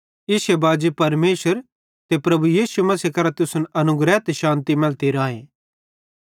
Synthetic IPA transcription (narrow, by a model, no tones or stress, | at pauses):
ɪsebaːd͡ʒipɐɾmeːʃəɾ | t̪epɾɐbujiːsumɐsikɐɾat̪ʊsʊnʔɐnʊɡɾɛːt̪ʃãːnt̪imɛlt̪iɾaːɦeː